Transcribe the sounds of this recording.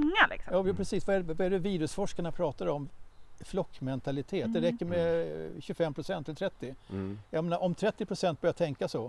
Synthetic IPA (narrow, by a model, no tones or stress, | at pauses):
ŋːalɪ̰ksɔjɑːjːpɾɛsiːsvaɛvaæɖɵviːɾɵsfɔʂkaɳapʰɾɑːt̪aɾɔmflɔkːmɛnt̪ʰalɪt̪ʰeːt̪̚d̪ɛɾɛkːəɾmɛɕɵfɛmːpʰɾʊsɛnt̪ʰːɪlt̪ʰɾɛt̪ːɪjajmeːnaɾʔɔmt̪ʰɾɛt̪ːɪpʰɾʊsɛnt̪̚bœɾjat̪ʰɛŋkasɔ